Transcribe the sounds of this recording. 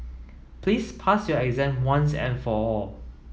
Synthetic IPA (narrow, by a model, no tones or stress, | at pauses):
pʰlispʰasjɔɛɡzɛ̃nwãnsɛ̰̃nfɔɔl